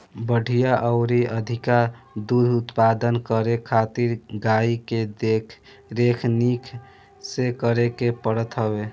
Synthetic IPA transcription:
bəɽ̤ʱijaʔəʊɾiʔəd̪ʱikaɾd̪ud̪ʱut̪pad̪ənkəɾekʰat̪iɾɡaiked̪ekʰ | ɾekʰnikʰ | sekəɾekepəɽət̪ɦəbe

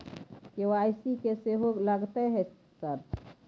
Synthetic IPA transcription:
kewajsikeseɦoɡləɡt̪ɛɦɛ | səɾ

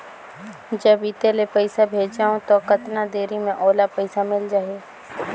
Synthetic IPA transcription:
d͡ʒəbiːt̪elepəɪsabʱeːd͡ʒd͡ʒaːõt̪okɐt̪nad̪eːɾimẽʔoːlapəɪsamɪld͡ʒaːeː

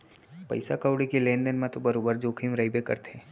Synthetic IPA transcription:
pɐ̰ɪsakaʊɽikelẽːnɖənmẽt̪obɐɾoːbəɾd͡ʒoːkʰimɾɐɪbekɐ̰ɾt̪ʰeː

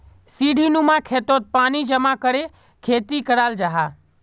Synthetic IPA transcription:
siːɖʱinũmãkʰeːt̪ot̪̚paːnid͡ʒəmakəɾe | kʰeːt̪ikəɾaːld͡ʒaːɦa

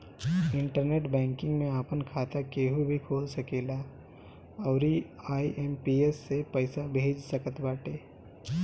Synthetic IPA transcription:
ɪ̃ɳʈəɾneːʈbɛ̃ːŋkɪ̃ŋɡmẽaːpənkʰaːt̪akeːɦubʱikʰoːlsɐkeːla | ɔːɾi | aːiʔempiːeːsːepəɪsabʱeːd͡ʒsɐkət̪baːʈeː

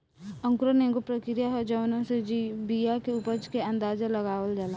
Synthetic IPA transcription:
ə̃ŋkɾənẽːɡopɾəkɾijaɦɔd͡ʒɐʋnõsed͡ʒibijakeupəd͡ʒkeɐ̃nd̪aːd͡ʒeləɡaːʋəld͡ʒala

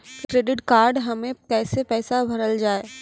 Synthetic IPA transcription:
kɾeːɖɪʈkaːɾɖɦɐmẽkɛːsepɛːsabʱɐɾəld͡ʒaːeː

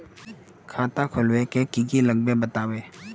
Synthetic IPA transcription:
kʰat̪akʰolwɛkɛkikilək̚bɛbət̪awɛ

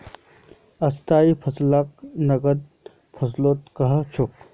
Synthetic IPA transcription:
ɐst̪aːipʰɐslaknɐɡəd̪̚ | pʰɐsloːt̪kɐɦt͡ʃʰʊk

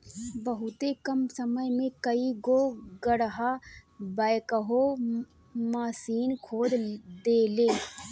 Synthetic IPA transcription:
bəɦʊt̪ekəmsəməjmẽkəiɡoɡəɽɦabəɪkəɦo | maːsiːnkʰoːd̪d̪eːleː

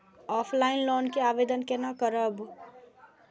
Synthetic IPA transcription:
ɔpʰlainloːnkeaʋed̪ənkenakəɾəb

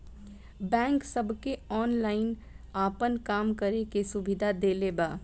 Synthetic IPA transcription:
bɛ̃ːŋksəbʱkeɔːnlaːɪnaːpənkaːmkəɾekesʊbɪd̪ʱad̪eːlebaː

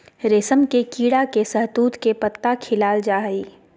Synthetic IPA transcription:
ɾeːsəmkekiːɽakesɐɦt̪uːt̪kepət̪ːakʰɪlaːld͡ʒaːɦiː

